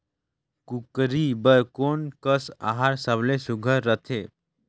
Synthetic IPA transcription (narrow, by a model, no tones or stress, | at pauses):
kukɾibəɾkonkəsa̰ɦaɾsəblesuɡʱəɾːət̪ʰe